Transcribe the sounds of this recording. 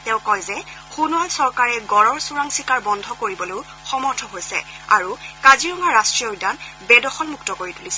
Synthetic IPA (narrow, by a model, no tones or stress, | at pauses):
tɛʊ̃kɔjzɛ | xunualsɔɹkaɹɛɡɔɹɔɹsuɹaŋsikaɹbɔndʱɔkoɹibɔlow | xɔmɔɹtʰɔɦojsɛ̰ | a̰ɹukaziɹɔŋaɹastɹijɔdanbɛdɔxɔlmuktɔkoɹitulisɛ